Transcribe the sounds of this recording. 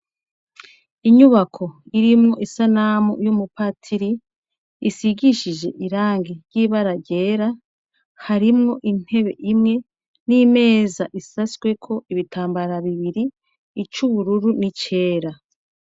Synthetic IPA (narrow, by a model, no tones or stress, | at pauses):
iɲuβakʰo̞iɾimŋo̞ʔisanamṵjumupatʰiɾiː | siɡiʃid͡ʒe̞ʔiɾaːŋɡiɾɟiβaɾaɟe̞ːɾa | haɾimŋo̞ʔin̥he̞βe̞̰ʔimŋe̞ | nime̞ːzaʔisasɡwe̞kʰo̞ʔiβitʰaːmbaɾaβiβiɾiː | t͡ʃuβuɾuɾunit͡ʃe̞ːɾa